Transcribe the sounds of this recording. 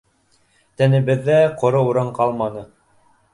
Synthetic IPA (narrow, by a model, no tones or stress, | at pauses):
t̪ænɘ̆bɘ̆ðːæqŏɾɤuɾɤɴqɑlˠmɑnɤ